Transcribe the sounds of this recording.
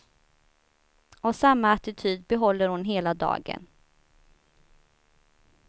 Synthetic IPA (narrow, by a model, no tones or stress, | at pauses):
ɔvsamːaːt̪ɪt̪ʰyːd̪̚bɛɦɔlːəɾhʊnɦeːlad̪ɑ̰ːɡə̰n